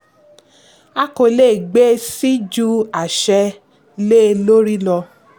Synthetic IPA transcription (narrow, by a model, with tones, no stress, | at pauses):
a˦ko˧le˦˨ɡ͡be˦si˦d͡ʒu˦a˨ʃɛ˧ | le˦˧lo˦ɾi˦lɔ˧